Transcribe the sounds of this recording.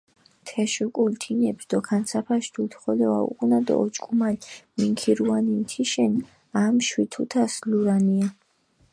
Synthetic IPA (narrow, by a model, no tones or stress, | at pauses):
t̪ʰɛʃukʼult̪ʰinɛbsd̪ɔkʰansʰapʰaʃd̪ʰut̪ʰχɔlɛva̰ṵqʼnad̪ɔ̰ɔt͡ʃʼkʼumalmiŋkʰiɾuanint̪ʰiʃɛn | amʃwit̪ʰut̪ʰasluɾania